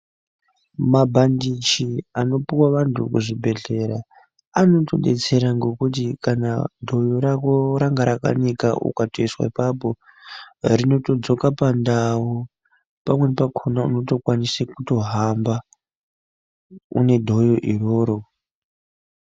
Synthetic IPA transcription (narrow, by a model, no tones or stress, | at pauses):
mabʱandit͡ʃiano̞piwaʋantʰukuʐibʱe̞ɮe̞ɾa | ano̞to̞ɗe̞̰t͡se̞ɾaŋɡo̞kut̬ikana̰dʱo̞joɾakoɾaŋɡaɾaka̰nika̰ṵkatoiswa̰ipapo̞ | rino̞to̞d͡zo̞kapandau | pamwe̞pakʰonaṵno̞to̞kwanisakuto̞ɦamba | ṵne̞dʱo̞joʔiro̞ːɾo